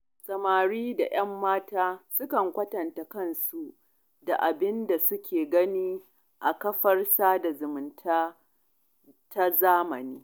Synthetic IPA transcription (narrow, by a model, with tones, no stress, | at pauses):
sʼɐ˨maː˨ɽiː˦da̰˨j̰ɐ˦mːaː˦taː˦sʊ˦kɐ˨ŋkʷɐ˦tɐ˨nta˨kɐ˦nsu˨ʔ | da˨ʔa˨bɪ˦nda˨sʊ˦kʲeː˨ɡɐ˦niː˦ | ʔa˨kɐ˦ɸɐ˦rsaː˦da˨zʊ˨mʊ˨ntʰaː˦ | ta˦zaː˦mɐ˨niː˦